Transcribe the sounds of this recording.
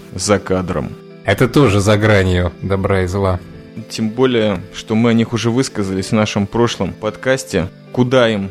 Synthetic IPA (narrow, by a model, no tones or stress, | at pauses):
zɐkad̪ɾə̰m | ɛt̪ət̪o̞ʐɨzɐɡɾanʲɪjʊd̪ɐbɾaɪzlˠa | tʲembo̞lʲɪjəʂt̪o̞mɨɐnʲixʊʐɛvɨskəzəlʲɪsʲvnaʂɨmpɾo̞ʂlˠəmpɐt̪kasʲtʲɪ | kʊd̪aim